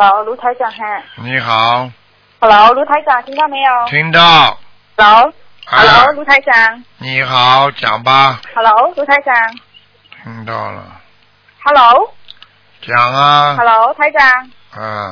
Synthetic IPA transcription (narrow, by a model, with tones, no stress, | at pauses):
lo˨˦ɾuː˦˥t̪ʰa˧˥jt͡ɕaː˧˩ŋɦa˧˩ɲi˧˦xa˨˩˦ | ha˧lo˨˦ɾuː˦˥t̪ʰa˧˥t͡ɕaː˧˩ŋt̪ʰi˧˥ŋd̪aː˧˥˩m˧˦˥ɔː˧t̪ʰi˧˦˥ŋdɔː˧˩ | ha˧lo˨˦˥ | a˧lo˨˦wluː˦˥t̪ʰa˧˥jt͡ɕaː˧ŋɲi˧˩ka˨˧˦t͡ɕa̰ː˨˩˦ŋbaː˧˩ha˧loː˨˦˥wɾuː˦˥t̪ʰaː˧˦˥jt͡ɕaː˧ŋ | t̪ʰi˧˥˦ŋdɔː˧˩la̰˧˩ | ha˧˥lo˨˦˥w | t͡ɕaː˨˩˦ŋa˧ha˧lo˨˦t̪ʰa˧˥jt͡ɕaː˧ŋ | ʔa˧˩